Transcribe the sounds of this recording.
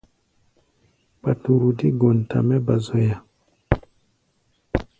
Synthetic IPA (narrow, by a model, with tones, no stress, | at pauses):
ba˨tu˨ɾu˨di˦ɡo˨n˨ta̰˨mɛ˦ba˨zo˨ja˨